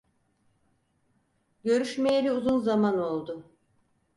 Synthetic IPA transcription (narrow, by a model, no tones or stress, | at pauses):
ɟø̞ɾyʃmejelʲiuzunzamano̞lˠd̪ʊ